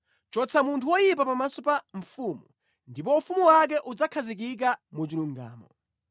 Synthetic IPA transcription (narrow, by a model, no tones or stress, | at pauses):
t͡ʃɔt͡sʰamuntʰuwɔjip̬apamasɔpaɱ̩fuːmu | ndip̬ɔufumuwak̬ɛʔud͡zakʰazik̬ik̬amut͡ʃiluŋɡa̰ːmɔ̰